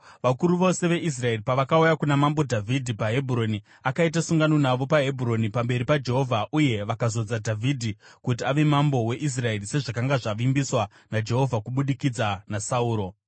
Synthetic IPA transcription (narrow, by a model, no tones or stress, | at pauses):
ʋakuɾuʋo̞se̞ʋe̞ʔis̬rae̞ripaʋakaujakunamambo̞dʱavʱidʱipaɦe̞bʱuro̞ni | akaitasuŋɡano̞naʋo̞paɦe̞bʱuro̞nipambe̞ɾipad͡ʒe̞ɦo̞vʱaʔuje̞ʋakazo̞d͡zadʱavʱidʱikutiaʋe̞mambo̞we̞ʔis̬rae̞rise̞ʐakaŋɡaʐaʋimbiswa | nad͡ʒe̞ɦo̞vʱakuɓuɗikid͡zanasauːɾo̞